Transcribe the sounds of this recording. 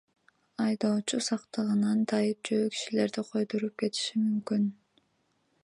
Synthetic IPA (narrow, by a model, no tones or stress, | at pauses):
ɑjd̪oːt͡ʃusɑqt̪ɯʁɯnɑnd̪ɑjɯp̚d͡ʒøːki̥ʃile̞ɾd̪iqʰo̞jd̪oɾup̚ke̞t̪i̥ʃimymkyn